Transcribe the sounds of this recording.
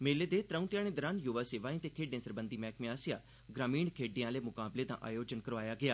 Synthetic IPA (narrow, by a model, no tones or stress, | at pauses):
meːleːd̪eːt̪ɾəũːt̪jaːnẽːd̪əɾãːnjuʋaːseːʋaːĩːt̪eːkʰeːɖẽːsəɾbənd̪iːmɛːkmẽaːsɪjaː | ɡɾaːmiːɳkʰeːɖɪjãːleːmʊkaːbleːd̪ã̰ːʔa̰ːjoːd͡ʒənkəɾʋaːjaːɡɪaː